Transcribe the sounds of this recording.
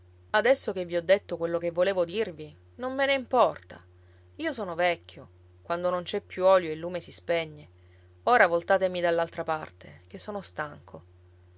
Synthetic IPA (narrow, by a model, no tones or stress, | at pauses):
ad̪ɛsːok̟evːiɔd̪ːet̪ːokwelːokevːoleːvod̪irvi | nomːeneimpɔrt̪a̰ | iːosɔːnovɛkʰʲːjo | kwand̪onont͡ʃɛpːjuɔːljoelːuːmesispɛɲːe | oːɾavolt̪aːt̪emid̪alːalt̪ɾapart̪ek̟esːoːnost̪aŋkʰo